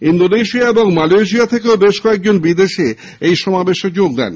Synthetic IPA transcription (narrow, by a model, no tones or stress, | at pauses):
ind̪oneʃiaeboŋmalejʃ̬iat̪ʰekeobeʃkɔek̚d͡ʑonbid̪eʃe | ejʃɔmabeʃed͡ʑoɡ̚d̪ɛ̰n